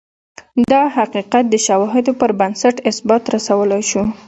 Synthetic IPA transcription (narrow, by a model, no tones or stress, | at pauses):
d̪ɑhaqiqat̪̚d̪əʃawɑɦɪd̪opəɾbansaʈɪsbɑt̪ɾasawəlajʃu